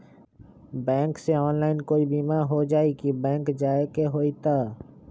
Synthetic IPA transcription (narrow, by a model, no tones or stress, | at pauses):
bɛ̃ːŋkseɔːnlaːɪnkoːibiːmaɾɦod͡ʒaːekibɛ̃ːŋkd͡ʒaːekeɦoːit̪aː